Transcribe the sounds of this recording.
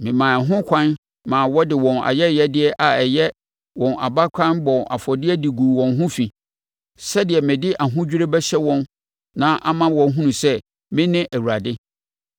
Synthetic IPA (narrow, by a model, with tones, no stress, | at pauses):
mɪ̃˨mã˨ɦʊ̃˦kʷʰã˦n | mãː˨wɔ˦dɪ˨wɔ̃˨na̰˨jɛ˦jɛ˦dɪ˦ɛ˦ʔa˨ɛ˨jɛ˦ | wɔ̃˨nʔa̰˨ba˦kʷʰã˦nbɔ̃˨a̰˨fɔ˨dɪ˦ɛ˦di˨ɡu˨wɔ̃˨nɦʊ̃˦fi˨ | sɛ˦dɪ˨ɛ˨mɪ̃˨dɪ˦ʔa˨ɦʊ̃˦d͡ʑᶣi˦ɾe˦bɛ˦ɕɛ˦wɔ̃˦n | nã˦ʔa˦mã˦wɔ̃˨n˦ɦũ˦nũ˨sɛ˦ | mɪ̃˦nɪ̃˦ʔæ˨wu˨ɾa˨dɪ˦